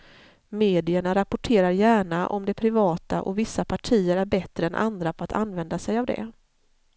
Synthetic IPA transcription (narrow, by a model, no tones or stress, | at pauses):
meːd̪ɪəɳaɾapʊʈʰeːɾaɾjæːɳaʔɔ̰md̪ɛpʰɾɪvɑːt̪a̰ʔɔ̰vɪsːapʰaʈʰiːəɾæɾbɛt̪ɾəɛnʔa̰nd̪ɾapʰɔat̪ʰa̰nvɛnd̪asɛjavd̪ɛ̰